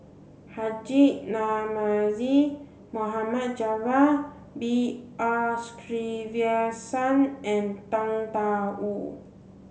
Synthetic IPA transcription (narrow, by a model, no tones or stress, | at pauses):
had͡ʒiʔnamazi | moɦamat̪̚d͡ʒava | biastɾiviasanɛ̃nt̪aŋt̪aʔu